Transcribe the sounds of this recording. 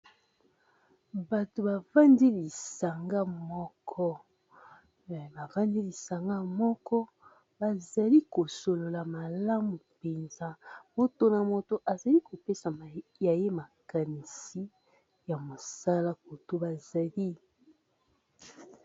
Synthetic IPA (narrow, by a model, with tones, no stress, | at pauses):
ba˨to˨ba˨va˦ndi˦li˨sa˨ŋɡa˦mɔ˦kʰɔ˦˨ | ba˨va˦ndi˦li˨sa˨ŋɡa˦mɔ˦kɔ˦ | ba˨za˨li˦ko˨so˨lo˨la˨ma˨la˦mu˨pe˨nza˦mo˨to˨na˨mo˨to˨ʔa˨za˨li˦ko˨pe˦sa˨ja˨je˦ma˨ka˨ni˨si˦ | ja˨mo˨sa˦la˦ko˨to˦ba˨za˨li˦